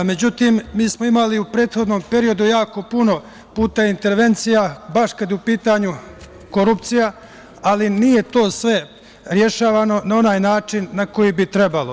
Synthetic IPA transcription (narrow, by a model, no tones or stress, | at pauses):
me̞d͡ʑut̪imːiːsmoimaliupɾe̞ːt̪xo̞d̪no̞ːmpe̞ɾio̞d̪ujaːko̞puno̞ | puːt̪aint̪e̞ɾʋe̞nt̪sijabaʃkad̪jɛupiːt̪aɲu | ko̞ɾupt̪sija | alinijet̪o̞ːsʋe̞ | ɾje̞ʃaːʋano̞nao̞naːjnaːt͡ʃinːako̞jibit̪ɾe̞balo